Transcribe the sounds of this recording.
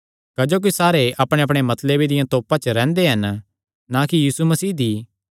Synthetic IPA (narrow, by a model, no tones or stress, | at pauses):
kɐd͡ʒoːk̬isaːɾeʔɐpɽ̃eɐpɽ̃emɐt̪lebʱid̪ɪjãt̪oːpãt͡ʃəɾɛ̃ːnd̪eɦɐn | nãkijiːsumɐsiːd̪i